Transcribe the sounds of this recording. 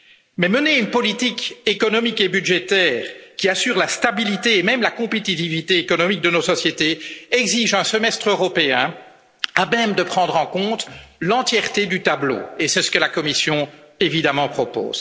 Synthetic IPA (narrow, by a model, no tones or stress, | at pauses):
mɛməneynpɔlit̪ikekɔnɔmikebyd̪ʒet̪ɛːʁkʲiasyːʁlast̪abilit̪eːmɛmlakɔ̃pet̪it̪ivit̪eːkɔnɔmik̚d̪ənosɔsjet̪eɛɡziʒɛ̃səmɛst̪χøʁɔpeɛ̃ | amɛmd̪əpχɑ̃d̪ʁɑ̃kɔ̃t̪lɑ̃t̪jɛʁt̪ed̪yt̪ablo̰esɛsə̥kəlakɔmisjɔ̃evid̪amɑ̃pχɔpo̰ːz̥